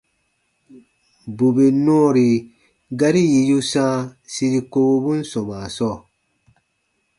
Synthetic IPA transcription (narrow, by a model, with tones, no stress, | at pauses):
bu˨be˨nɔ̃ː˦˨ɾi˨ | ɡa˦ɾi˦ji˨ju˦sãː˦si˧ɾi˧ko˧ɡo˧bũ˦n̩˦sɔ̃˨ma˨sɔ˦˨